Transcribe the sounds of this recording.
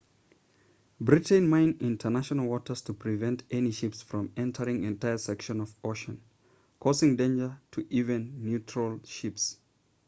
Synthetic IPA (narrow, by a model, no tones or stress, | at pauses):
bɹitə̃nmãɪ̃nɪ̃ntʰə˞naʃənəlˠwɔtə˞z̥tʰəpʰɹivɛ̃ntɛniʃɪpsfɹɔ̃mɛ̃ntʰə˞ɪ̃ŋɛ̃ntʰaɪə˞sɛkʃə̃nʌvoʃə̃n | kʰɔzɪ̃ŋdẽɪ̃nd͡ʒə˞tʰɨʔivɨ̃nːjutɹəlˠʃɪps